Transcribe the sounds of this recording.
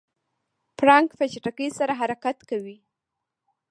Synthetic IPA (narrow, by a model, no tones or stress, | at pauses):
pɾɑŋkfat͡ʃaʈakəjsaɾaɦaɾakat̪kawi